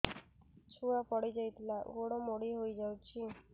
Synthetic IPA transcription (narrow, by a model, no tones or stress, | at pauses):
t͡ʃʰuapɔɽid͡ʒajt̪ʰilaɡoɽɔmoɽiɦojd͡ʒawt͡ʃʰi